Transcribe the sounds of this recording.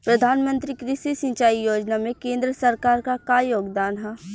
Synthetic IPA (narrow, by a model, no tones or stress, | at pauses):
pɾɐd̪ʱaːnmə̃nt̪ɾikɾɪʃisɪ̃ɲt͡ʃaːijoːd͡ʒnamẽkẽːnd̪ɾəsɐɾkaːɾkakaːjoːɡd̪aːnɦɛː